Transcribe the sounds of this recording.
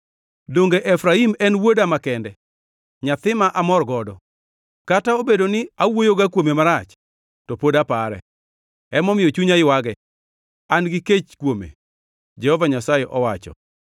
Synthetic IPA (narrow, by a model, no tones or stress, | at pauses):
doŋɡeʔɛfɾaimɛnwodamakɛndɛ | ɲat̪ɪmaʔamɔrɡɔdɔ | kataobedonɪawojoɡakwomemaɾat͡ʃ | tɔpodapaɾɛ̰ | ɛmɔmɪjot͡ʃuɲaɪwaɡɛ | anɡɪket͡ʃkwomḛ | d͡ʒɛhɔvaɲasajɛʔɔwat͡ʃɔ̰